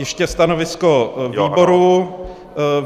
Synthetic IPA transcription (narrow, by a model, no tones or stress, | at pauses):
jɛʃcɛst̪anovɪskoiːboɾu